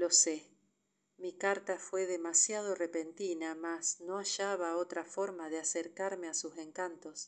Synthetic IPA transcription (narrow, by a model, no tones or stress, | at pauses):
lo̞se | mikaɾt̪afwe̞ðemasjað̞o̞repent̪inamasno̞aʃaβaot̪ɾafo̞ɾmaðeaseɾkaɾmeasuse̞ŋkant̪o̞s